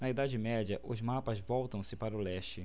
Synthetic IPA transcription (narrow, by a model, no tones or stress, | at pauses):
nɐid̪ad͡ʒɪmɛd͡ʒɐʔʊzmapɐzvɔwt̪ɐ̃w̃sɪpaɾɐʊlɛʃt͡ʃɪ